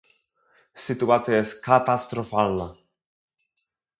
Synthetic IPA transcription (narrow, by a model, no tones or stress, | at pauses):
sit̪uat͡sjeskat̪ast̪ɾofalna